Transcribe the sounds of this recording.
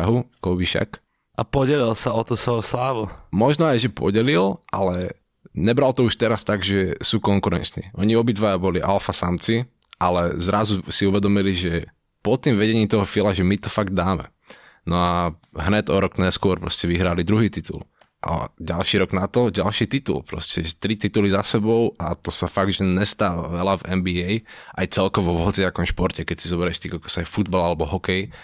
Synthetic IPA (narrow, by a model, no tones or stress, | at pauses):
aɦukɔbiʃa̰k | ʔapɔɟɛlilsaɔt̪usʋɔoslaːʋumɔʒnɔajʒɛpɔ̰ɟɛlilʔalɛ | ɲɛbɾalt̪ɔuʃt̪ɛɾast̪aɡʒɛsuːkɔŋkuɾɛ̰nt͡ʃnḭːʔɔɲiɔbid̪ʋajabɔliʔalfasamt͡si | ʔalɛzɾazusiuʋɛd̪ɔmiliʒɛ | pɔt̪ːiːmʋɛɟɛɲiːmt̪ɔɦɔfilaʒɛmit̪ɔfaɡd̪̚d̪aːmɛ̰ | nɔa | ɦɲɛcɔɾɔkɲɛskʊɔɾpɾɔ̰scɛʋiɦɾalid̪ɾuɦiːt̪it̪ṵl | ʔa̰ɟalʃiːɾɔɡnat̪ɔɟalʃiːt̪it̪ṵlpɾɔ̰scɛʒɛt̪ɾit̪it̪ulizasɛbɔʊat̪ɔsafaɡ̚ʒɛɲɛst̪aːʋa̰ʋɛlavɛmbiɛjʔa̰jt͡sɛlkɔʋɔʋɦɔt͡siakɔmʃpɔɾcɛkɛcsizɔbɛɾɛʃt̪ikakɔsajfud̪̚balalɛbɔɦɔkɛj